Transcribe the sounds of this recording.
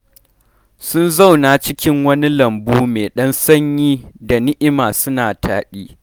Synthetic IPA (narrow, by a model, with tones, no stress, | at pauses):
sʊ˦nza˦˨wnaː˨t͡ʃɪ˦kʲɪ˦ŋwɐ˦ni˦lɐ˨mbuː˦meː˨ɗɐ˦nsɐ˦ɲjiː˦da˨nɪ˦ʔɪ˦maː˨sʊ˦naː˨tʰaː˨ɗiː˦